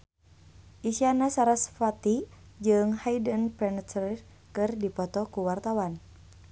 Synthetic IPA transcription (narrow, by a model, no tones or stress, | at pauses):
ʔisianasaɾasfat̪id͡ʒɨŋhaidənpɛnt̪ɾi | kɨrdipɔt̪ɔkuwart̪awan